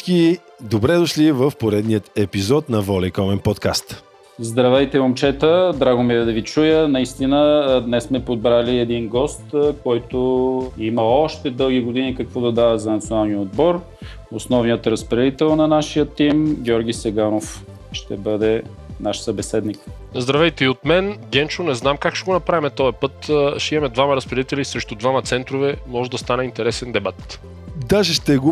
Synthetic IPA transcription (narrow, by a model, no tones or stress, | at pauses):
ki | d̪obɾɛd̪ʊʃlivəfpoɾɛd̪nijət̪ɛpizɔt̪nɐvɔlɛkɔmɛnpɔt̪kast̪ | zd̪ɾɐvɛjt̪ɛomt͡ʃɛt̪əd̪ɾaɡʊmiɾɛd̪ɐvit͡ʃujənɐist̪inəd̪nɛsmɛpod̪̚bɾaliɛd̪inɡɔst̪kɔjt̪oiməɔʃt̪ɛd̪ɤlˠɡʲiɡod̪inikɐkvɔd̪ɐd̪avəzɐnɐt̪sionalˠnijəod̪̚bɔɾ | osnɔvnijət̪ɾəspɾɛd̪it̪ɛlˠnɐnaʃijət̪ːimɡʲɔɾɡʲisɛɡanof | ʃt̪ɛbɤd̪ɛ | naʃsəbɛsɛd̪nik | zd̪ɾɐvɛjt̪ɛiot̪mɛnɡʲɛnt͡ʃʊnɛznamkakʃɛɡonɐpɾavimɛt̪ɔɛpɤt̪ʃɛɛmɛd̪vamɐɾɐspɾɛd̪it̪ɛlisɾɛʃt̪ud̪vamɐt̪sɛnt̪ɾovɛmɔʒɛd̪ɐst̪anɛint̪ɛɾɛsɛnd̪ɛbat̪ | d̪aʒɛʃt̪ɛɡo